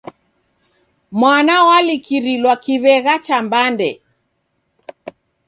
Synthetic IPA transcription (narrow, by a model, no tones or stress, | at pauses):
mwanawalikiɾilwakiβɛɣat͡ʃambandɛ